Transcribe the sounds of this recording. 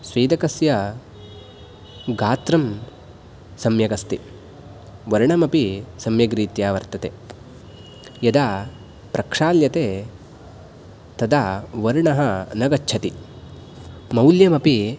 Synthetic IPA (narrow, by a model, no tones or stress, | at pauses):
sʋiːd̪ɐkɐsjɐ | ɡaːt̪ɾɐm | sɐmjɐɡɐst̪i | ʋɐɾɳɐmɐpisɐmjɐɡɾiːt̪jaːʋɐɾt̪ɐt̪e | jɐd̪aː | pɾɐkʂaːljɐt̪eː | t̪ɐd̪aːʋɐɾɳɐɦɐnɐɡɐt͡ʃːt͡ʃʰɐt̪i | mɐwljɐmɐpi